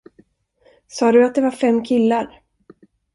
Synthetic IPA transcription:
sɑːd̪ɵat̪̚d̪ɛvaɾfɛmːkʰɪlːaɾ

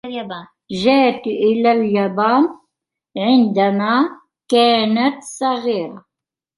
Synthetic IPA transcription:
ʒaːt̪ʔɪlaljabaːn | ʕɪnd̪amaː | kaːnat̪sˤɑɣiːɾa

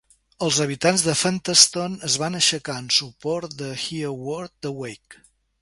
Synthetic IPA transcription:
əlˠzəβ̞it̪anzðəfənt̪əst̪onəzβanəʃəkaənsupɔɾt̪̚d̪əxiəwɔɾt̪̚d̪əwejk

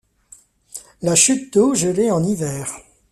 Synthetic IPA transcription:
laʃyt̪̚d̪oʒəleɑ̃nivɛːʁ

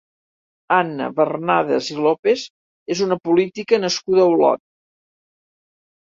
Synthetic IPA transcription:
anːə̰βərnaðə̰zilopez | ezunəpulit̪ikənəskuðəːwlɔ̰t̪̚

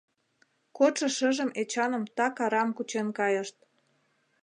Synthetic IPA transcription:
koʃɤ̆ʃə̆ʒəmet͡ɕɑnə̆mt̪ɑkɑɾɑmkut͡ɕenkɑjəʃt̪̚

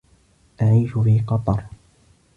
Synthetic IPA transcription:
ʔaʕiːʃʊfiːqɑt̪ˤɑɾˤ

